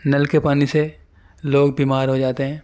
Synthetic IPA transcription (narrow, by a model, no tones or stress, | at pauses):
nɐlkepaːnise | loːɡ̚biːmaːɾɦod͡ʒaːt̪eɦɛ̃ː